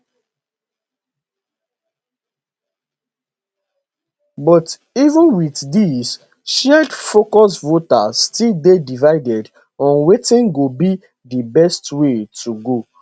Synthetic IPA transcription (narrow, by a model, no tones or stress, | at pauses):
bɔt | ivə̃nwiθdis | ʃɛdfokɔsvotasːtilbedivaɪdɛd | ɔ̃nwetĩnɡobi | dibɛstwetʰuɡo